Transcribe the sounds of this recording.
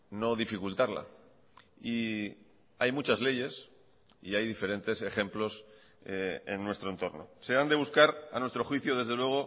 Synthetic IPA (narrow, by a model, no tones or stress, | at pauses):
no̞ðifikult̪aɾla̰ | i | ajmut͡ʃazle̞ʝe̞s | iajðife̞ɾe̞nt̪e̞se̞χe̞mplo̞s | ḛnːwe̞st̪ɾont̪o̞ɾno̞̰se̞and̪eβuskaɾa̰nwet̪ɾoxwiθjoðe̞zð̞e̞lwe̞ɣ̞o̞